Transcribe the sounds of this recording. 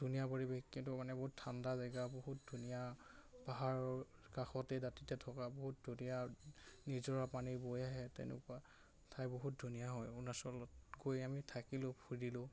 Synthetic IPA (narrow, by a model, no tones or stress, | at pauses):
d̥ʱunijapoɹibexkintʊmanɛbɔɦutʰːandazaɡaboɦut̚dʱunijapaɦaɹɔkaxɔtɛdatitɛtʰɔkaboɦut̚dʱunijanizɔɹapaniɹbojaɦɛtɛ̰nɛ̰kua | tʰajboɦut̚dʱunijaɦɔjunasɔlɔtkojamitʰakilʊ̃pʰudilʊ̃